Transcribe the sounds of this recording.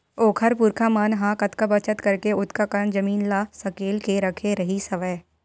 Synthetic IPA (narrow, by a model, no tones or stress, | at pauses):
oːkʰəɾpuːɾkʰamənɦãkɐt̪kabɐt͡ʃət̪kɐɾkeʊt̪ʰkakɐɾəɳd͡ʒɐmiːnlaːsɐkeːlkeɾɐkʰeɾɐɦisɐʋə